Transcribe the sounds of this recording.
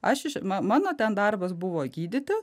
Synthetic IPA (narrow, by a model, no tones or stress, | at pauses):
ɐʃɪʃmɐmɑːnoːt̪ʲɛnd̪ɐrbɐsbʊʋoːɡʲiːd̪ʲɪt̪ʲɪ